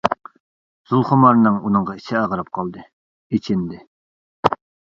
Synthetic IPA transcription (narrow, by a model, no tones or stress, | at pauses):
z̥ulˠχʊmɑɾnɨŋunɨŋʁɑisɪɑʁəɾɑp̚qʰɑlˠd̪ɨ | et͡ʃʰɪnd̪ɪ